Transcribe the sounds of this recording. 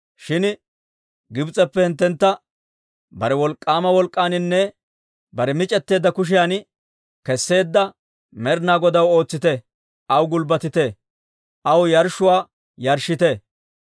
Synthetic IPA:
ʃɪn | ɡɪbt͡sʼːɛpːɛhɪnt̪ːɛnt̪ːɐ | bɐɾɛwɔlkʼːaːmɐwɔlkʼːaːnɪnːɛ | bɐɾɛmɪt͡ʃʼɛt̪ːe̞ːd̪ːɐkʊʃ̬ɪjan | kɛsːe̞ːd̪ːɐ | mɛɾnaːɡɔd̪ɐwo̞ːt͡sːɪt̪ɛ | ʔɐwɡʊlbɐt̪ɪt̪e | ʔɐwjɐɾʃʊwaː | jɐɾʃɪt̪ɛ

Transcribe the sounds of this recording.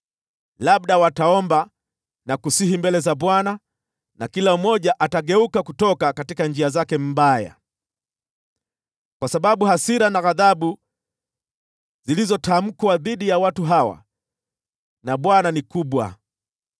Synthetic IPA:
laɓ̚ɗawataɔmba | nakusihimbɛlɛzaɓwana | nakilaumɔʄaʔataɠɛukakutɔkakatikand͡ʒiazakɛm̩baja̰ | kwasaɓaɓuhasiɾanaɣaðaɓu | zilizɔtam̩kwaðiɗijawatuɦawa̰ | naɓwananikuɓwa̰

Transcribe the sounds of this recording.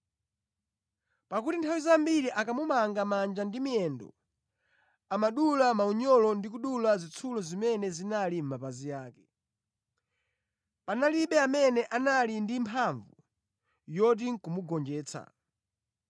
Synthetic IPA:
pakutintʰawizambiɾiʔakamumaŋɡamand͡ʒandimiɛndɔ̰ | amaɗulamauɲɔlɔndik̬uɗulazit͡sʰulɔzimɛnɛzinalim̩mapazijaːkɛ | panaliɓɛamɛnɛʔanalindimpʰaɱvu | jɔt̬iŋ̩kumuɡɔnd͡ʒɛːt͡sʰa̰

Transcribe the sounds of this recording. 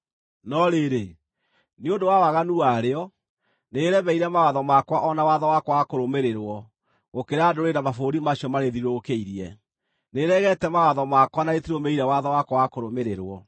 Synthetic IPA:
nɔɾeɾe | neondowawaɣanuaɾeɔ | neːɾɛβɛiɾɛmawaðɔmakwaʔɔnawaðɔwakwwakoɾomeɾeɾwɔ | ɣokeɾadoɾenamafoɾimaɕiɔmaɾeðiɾokeiɾiɛ | neɾɛɣɛtɛmawaðɔmakwanaet̪iɾɔmeiɾɛwaðɔwakwawakoɾomeɾeɾwɔ

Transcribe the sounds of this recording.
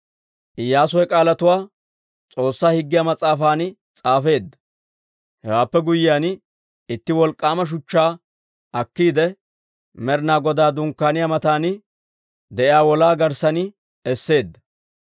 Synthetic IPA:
ʔɪjːaːs̬ɔjɛkʼaːlɐt̪ʊwaː | t͡sʼo̞ːsːaːhɪɡːɪjamɐt͡sʼaːfaːn | t͡sʼaːfe̞ːd̪ːɐ̥ | hɛwaːpːɛɡʊjɪjaːn | ɪt̪ːɪwɔlkʼːaːmɐʃ̬ʊt͡ʃːaː | ɐkːiːd̪ɛ | mɛɾnaːɡɔd̪aːd̪ʊŋkːaːnɪjaːmɐt̪aːnɪ | d̪ɛʔɪjaːwɔlaːɡɐɾsɐnɪ | ɛsːe̞ːd̪ːɐ̥

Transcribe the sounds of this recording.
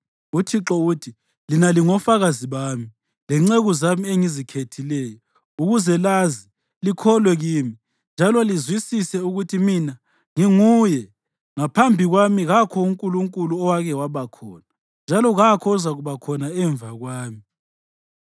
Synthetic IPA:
utʰiǁɔutʰi | linaliŋɔfaɣaziβaːmi | lɛŋ͡ǀeɣuzamieŋizikʰetʰilɛːjɔ | uɣuzɛlazi | likʰɔlwɛɣiːmi | nd͡ʒʱalɔlizwisisɛuɣutʰimina | ŋiŋujɛ | ŋapʰambʱiɣwamiɣakʰɔuŋkʼuluŋkʼuluɔwaɣɛwaβakʰɔːna | nd͡ʒʱalɔɣakʰɔuzaɣuβakʰɔnaɛɱb̪vaɣwaːmi

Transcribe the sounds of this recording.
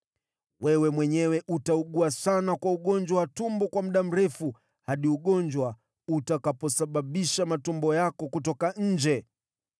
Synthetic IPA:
wɛwɛmwɛɲɛwɛʔutauɠuasanakwauɠɔnd͡ʒwawatumbɔkwam̩ɗam̩ɾɛfu | haɗiuɠɔnd͡ʒwa | utakapɔsaɓaɓiʃamatumbɔjakɔkutɔkaɲ̩d͡ʒɛ

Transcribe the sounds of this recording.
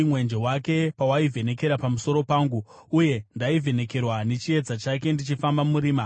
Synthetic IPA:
mwe̞nd͡ʒewake̞pawaivʱe̞ne̞ke̞ɾapamuso̞ɾo̞paːŋɡu | uje̞ndaivʱe̞ne̞ke̞rwane̞t͡ʃie̞d͡zat͡ʃake̞ndit͡ʃifambamuɾiːma

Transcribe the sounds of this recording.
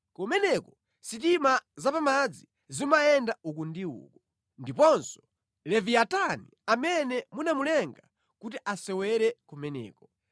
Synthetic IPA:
kɔmɛnɛkɔ | sitimazapamad͡zi | zimaɛndaukundiṵːkɔ | ndipɔnsɔ̥ | lɛviataniamɛnɛmunamulɛŋɡa | kut̬iʔasɛwɛɾɛkɔmɛnɛ̰ːkɔ

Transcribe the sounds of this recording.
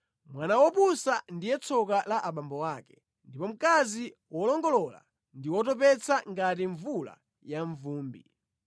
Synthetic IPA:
mwanawɔpusandijɛt͡sʰɔkalaʔaɓambɔwaːkɛ̥ | ndipɔm̩kaziwɔlɔŋɡɔlɔla̰ | ndiwɔtɔp̬ɛt͡sʰaŋɡatiɱvula̰ | jaɱvuːmbḭ

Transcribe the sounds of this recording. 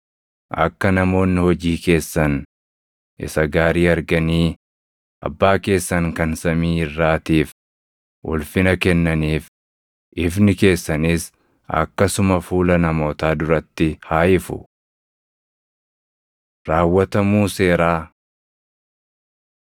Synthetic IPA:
ʔɐ̰kːɐnɐmo̞ːnːɪhɔd͡ʒiːke̞ːsːɐn | ʔɪ̰sɐɡaːɾiːɐɾɡɐniː | ʔɐ̰bːaːke̞ːsːɐŋkɐnsɐmiːɪrːaːt̪iːf | ʔʊ̰lfɪnɐkɛnːɐniːf | ʔɪfnɪke̞ːsːɐnis | ɐ̰kːɐsʊmɐfuːlɐnɐmo̞ːt̪aːd̪ʊɾɐt̪ːɪhaːʔɪfʊ̰ | ɾaːwːɐt̪ɐmuːse̞ːɾaː

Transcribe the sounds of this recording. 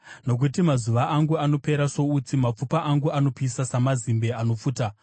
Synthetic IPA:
no̞k̬utimazuʋaʔːŋɡuano̞pe̞ɾaso̞ut͡simap͡fupaʔaŋɡuano̞pisasamazimbe̞ano̞fuːta

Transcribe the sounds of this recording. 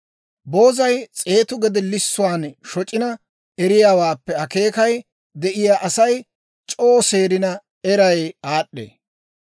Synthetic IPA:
bo̞ːzɐjt͡sʼe̞ːt̪ʊɡɛd̪ɛlːɪsːʊwaːnʃɔt͡ʃʼɪnɐ | ɛɾɪjaːwaːpːɛɐke̞ːkɐj | d̪ɛʔɪjaːʔɐsɐj | t͡ʃʼoːse̞ːɾɪnɐ | ɛɾɐjaːɗːḛː

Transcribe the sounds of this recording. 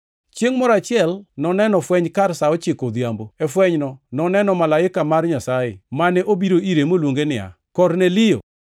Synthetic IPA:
t͡ʃjeŋmɔɾat͡ʃɪɛlnɔnɛnɔfwɛɲkarsaɔt͡ʃɪkod̪jamboɛfwɛɲnɔnɔnɛnɔmalaɪkamarɲasajḛmanɛʔobiɾoiɾemolwoŋɡenɪa̰ | kɔrnelɪjo̰

